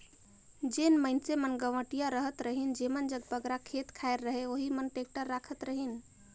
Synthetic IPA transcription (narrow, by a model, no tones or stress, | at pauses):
d͡ʒenməɪnsemənɡəʋəʈijaɾəɦət̪ɾəɦind͡ʒemənd͡ʒəɡ̚bəɡɾakʰet̪kʰaeɾːəɦeoɦimənʈek̚ʈəɾːakʰət̪ɾəɦin